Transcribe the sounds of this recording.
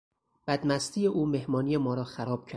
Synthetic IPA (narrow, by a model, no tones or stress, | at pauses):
b̥æd̪mæst̪ʰiːjeʔuːme̞hmɒːnijemɒːɾɒːxæɾɒːb̥̚cʰæ